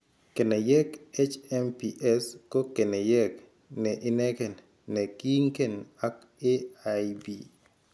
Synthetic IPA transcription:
ke˨nɛ˨jɛ˦ke˦t͡ʃɛ˦mpi˨ʔɛ˦sko˦ke˨ne˨jɛ˦k | nɛ˨ʔɪ˦nɛ˦ke˨n | nɛ˨ki˦ŋke˦˨na˦k | e˦a˨jbi˨

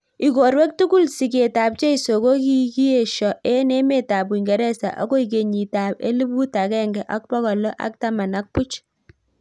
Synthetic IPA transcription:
i˨ko˨ɾwɛ˦k̚tu˦ku˦˨lsi˨k̬e˨ta˨p̚t͡ʃe˦i˨so˨ko˦ki˦ki˦e˨ʃɔ˨ʔe˦ne˦me˦ta˨b̬wi˨ŋɡɛ˨ɾɛ˦sa̰˨ʔa̰˦ko˦i˨k̬e˨ɲi˨ta˨pḛ˦li˦bu˦ta˨kɛ˦ŋɡɛ˨ʔa˦k̚pɔ˦kɔ˨lɔ˦ʔa̰˦k̚ta˦ma˨na˦k̚pu˦t͡ʃ

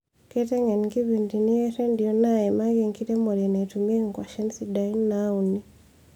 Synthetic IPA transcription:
kɛ˦tɛ˦ŋɛ˨niki˦βi˨ndi˨ni˦ɛ˦ɾɛ˦ndi˨ɔ˨naɛ˨ma˦ɣɛ˨ŋki˦ɾɛ˦mɔ˨ɾɛ˨na˨i˨tumɛ˦ŋ˨kwa˨ʃɛ˦nsi˨da˨i˦nna˦u˨ni

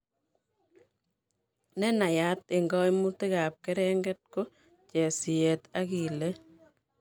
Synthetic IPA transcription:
nɛ˦na˨ja˦t̪ɪ˨ŋɡɔ˦jmu˦tɪ˦ɣa˨p̚kɛ˦ɾɛ˦ŋɡɛ˦t̚ko˦ | t͡ʃɛ˨sɪ˨jɛ˨ta˦ɣi˨le˦

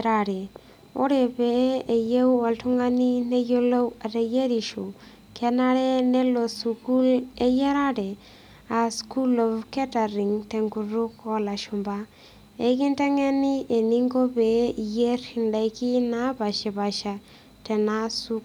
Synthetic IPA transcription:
ɾa˨ɾɛ˨ | o˦ɾɛ˨be˨e˨je˦wa˨ltu˦ŋa˦ni˦ne˦jo˦lo˦a˨te˨je˦ɾi˨ʃu˨ | kʰɛ˦na˦ɾɛ˦nɛ˦lo˨su˨ku˦le˦je˦ɾa˦dɛ˨ | a˨sku˦lo˨vkɛ˦ta˨ɾi˨ŋtɛ˨ŋku˨ɾu˦kɔ˦la˨ʃu˨mba˦ | e˨˦ki˦ntɛ˦ŋɛ˦ni˦e˨ni˦ŋɡo˦be˨je˦ɾi˨nda˨ki˦na˦ba˨ʃi˨ba˨ʃa˨ | tɛ˨na˦su˦

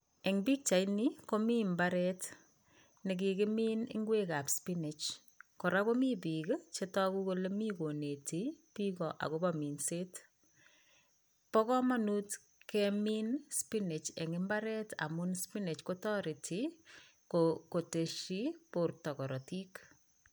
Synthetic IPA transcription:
ɛ˨ŋbi˦k̚t͡ʃa˨jniko˦mi˦mbaɾɛt | ne˨k̬ikɪ˦mi˦nɪ̰˦ŋɡwe˦ka˨pspine˨t͡ʃ | kɔ˨ɾa˦ko˦mi˦p̬i˨kt͡ʃetɔ˦ku˦ko˦le˦mi˦ko˨ne˨ti˦pikɔ˨ʔa̰˨ko˦bami˨nse˦t | pɔ˦kɔ˦ma˦nu˦t | kɛminspine˨t͡ʃḛ˨ŋɪ˦mba˦ɾɛ˦ta̰˨munspi˦ne˨t͡ʃko˦tɔ˦ɾi˨tʰi˨ | koko˨te˨ʃi˦po˨rtɔ˨kɔ˨ɾɔ˨ti˦k

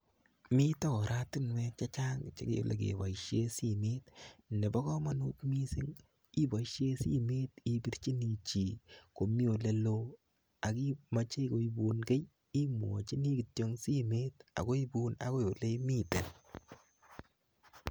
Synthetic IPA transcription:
mi˦ta˦kɔ˨ɾʔa˦ti˦nwɛ˦t͡ʃa˦t͡ʃa˦ŋt͡ʃe˦kḛ˨˦lḛ˨k̬ḛ˨ba˨iʃe˦si˦me˦tne˨ba˦kɔ˦ma˦nu˦kmi˦si˦ŋ | i˦ba˨ʃe˦sḭ˦me˦ti˦bi˦ɾt͡ʃi˦ni˨t͡ʃi˨ko˨mi˦o˨le˦lo˦ | a˨ki˦ma˦t͡ʃe˦˨ko˨i˦bu˨nɡe˦j | i˦m˨o̰˨t͡ʃi˦ni˦ki˨tjo˦ŋsi˦me˦ta̰˨ko˦i˦bu˦na̰˨ko˦jo˨le˦mi˦te˨n

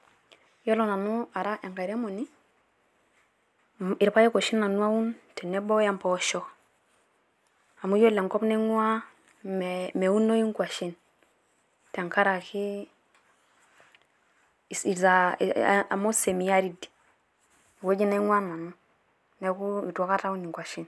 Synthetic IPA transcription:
jo˦lo˨na˨nu˦a˨ɾa˦ʔe˨ŋka˨ɾe˦mo˨ni˦ | i˨ɾpa˦je˦ko˨ʃi˦nːa˨nu˦a˦wu˦nte˨nɛ˦bo˦ja˦mpo˨˦ʃo˦k | a˨mu˦jo˦le˨ŋko˦pne˦ŋwa˦ | mme˨wu˦nːo˦i˦ŋkʷa˨ʃi˦n | te˨ŋka˦ɾa˨ki˦˨ | i˨za˨ | a̰˨mo˦se˨mi˨ja˦ɾi˦di̥˨ | wo˦d͡ʒi˦na˦i˦ŋwa˦na˨nu˦ | ne˨˦ku˦i˨tu˨o˦ka˦ta˦u˦ni˨ŋkwa˨ʃi˦n

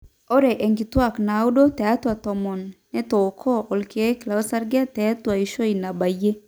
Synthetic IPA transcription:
ɔ˦ɾɛ˨ʔe˨ŋɡi˨t̪wa˦˨kna˨u˦do˦t̪ɛ˨a˦t̪wa˨t̪ɔ˨mɔ˨nː | ɛ˦t̪o˨kʰɔ˦ʔɔ˨lke˨˦kla˨ɔ˦sa˦rɡa˦t̪ɛa˦t̪wa˨i˨ʃo˦i˨na˨ba˨je˦

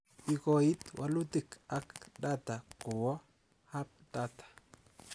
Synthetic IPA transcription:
i˨kɔ˨i˦t̪wʔa˦lu˦t̪i˦ka˦kda˦t̪a˨kʊ˨wɔ˦ | ha˦p̚da˦t̪ḁ˨

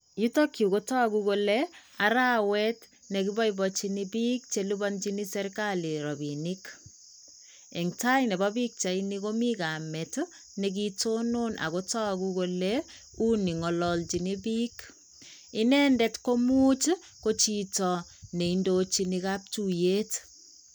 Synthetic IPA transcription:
ju˦to˦kju˨ko˦tɔ˦kuko˦lea˨ɾa˦wɛ˦t | ne˨kibɔ˦ibɔt͡ʃi˦ni˦bi˦k̚t͡ʃe˦lu˦bɔ˦nt͡ʃini˦sɛɾkali˨ɾɔ˨binik | e˨ŋta˦jne˨bɔ˦bi˦k̚t͡ʃa˨iniko˦mikamɛ˨t | nek̬itono˦nʔa̰˨ko˦tɔ˦kuko˧le | u˦ni˨ŋɔ˨lɔlt͡ʃi˨ni˦bi˦k | i˦nɛ˦ndɛtko˦mu˦t͡ʃ | ko˦t͡ʃitɔ˨ne˨indot͡ʃinika˦p̚tuje˦t

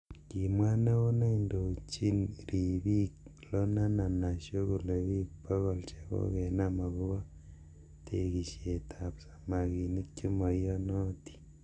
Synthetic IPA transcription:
ki˨mwa˦na˦ɣo˦ne˦indo˨t͡ʃi˦nɾi˨βi˦klo˦na˦na˨na˨ʃo˦ɣu˨le˨βi˦po˦ɣo˨lt͡ʃe˦ko̰˦ɣe˨na˦ma˨ɣu˦βo˦ | tʰe˨ɣi˨ʃe˨tʰa˨βsḁ˨ma˨ɣi˨ni˦ko˦mo˨ijo˦no˦ti̥

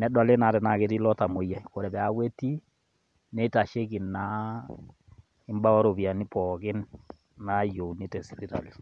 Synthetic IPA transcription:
nɛ˨˦dwa˨le˦na˨tɛ˨na˨ke˨ti˦lɔ˦ta˨mo˨ja˨ko˨ɾɛ˨bɛ˨a˨we˦ti˦ | ne˦ta˨ʃe˦ki˨na˦ | ɪ˦mba˦ɔ˦ɾo˨βja˨ni˦pɔ˨ɡɪ˦nː | a˨˦jo˨ni˦tɛ˨si˨pi˦ta̰˨li˨

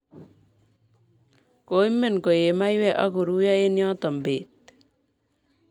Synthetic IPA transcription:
ko˦i˦me˨nko˨je˨ma˦jwɛ˦ʔa̰˦ko˨ɾu˦ja˦e˦njɔ˦tɔ˨mbe˨t

